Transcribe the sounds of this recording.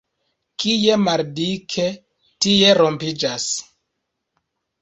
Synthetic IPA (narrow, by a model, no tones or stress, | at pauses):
kije̞maɾdikʰe̞ | tije̞ɾo̞mpid͡ʒas